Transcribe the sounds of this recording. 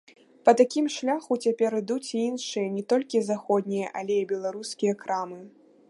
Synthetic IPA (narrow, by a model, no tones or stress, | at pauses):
pɐt̪akʲimʂlʲaxut͡sʲapʲɛɾɨd̪ut͡sʲiinʂɨjɐnʲɛt̪ɔlʲkʲizaxɔd̪̚ʲnʲijɐʔɐlʲeibʲɛlˠaɾuskʲijɐkɾamɨ